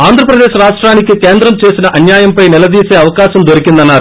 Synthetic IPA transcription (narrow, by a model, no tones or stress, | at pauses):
aːnd̪ʱɾɐpɾɐd̪eːʃɾaːʂʈɾaːnikikeːnd̪ɾɐmt͡ʃe̞ːsinɐʔɐnjaːjɐmpɐjnilɐd̪iːseːɐʋɐkaːʃɐmd̪oɾikind̪ɐnːaːɾu